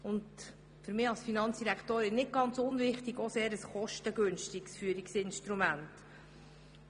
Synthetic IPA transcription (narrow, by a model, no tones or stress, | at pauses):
ʊnd | fʏɾmɪːɑlsfinɑnt͡sd̥iɾæktoːɾɪnːɪt̚ɡ̥ɑnt͡sʊnvɪχtiɡoseːəɾəsχɔʃtəɡɵnʃtiksfyːəɾiksɪnʃtɾumænt